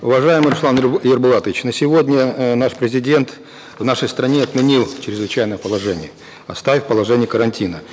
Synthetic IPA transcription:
ʊvɐʐajɪmɨjɾʊslˠanjərbʊlˠat̪əvʲɪt͡ɕnəsʲɪvodʲnʲənaʂpɾʲɪzʲɪdʲe̞nt̪ | vnaʂəjst̪ɾɐnʲeɐt̪mʲɪnʲilˠt͡ɕɾʲɪzvɨt͡ɕæjnəjəpəlˠɐʐɛnʲɪjə | ɐst̪avʲɪfʲpəlˠɐʐɛnʲɪjəkəɾɐnʲtʲinə

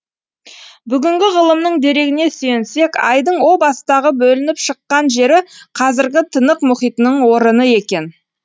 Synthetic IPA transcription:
bʏɡʲɪŋɡʲɪʁəlˠəmnəɴd̪e̞ɾe̞ɡʲɪne̞sʏjense̞kʲɑjd̪əɴwo̞bɑsəd̪ɑʁəbɵlɪnɪpʃəqːɑnʒe̞ɾɪqʰɑzɪɾɡʲɪt̪ʰənəqmʊχijt̪ənəɴwo̞ɾənəe̞kʲe̞n

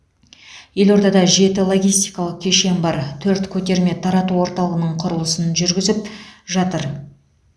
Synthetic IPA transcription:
je̞lo̞ɾd̪ɑd̪ɑʒe̞t̪ɪlˠo̞ɡʲijst̪ijkɑlˠəq̚kʲʰe̞ʃe̞mbɑɾt̪ʰɵɾt̪kʲʰɵt̪e̞ɾme̞t̪ʰɑɾɑt̪uwo̞ɾt̪ɑlˠəʁənəɴqʰʊɾəlˠəsənʒʏɾɡʲɪzɪp̚ʒɑt̪əɾ

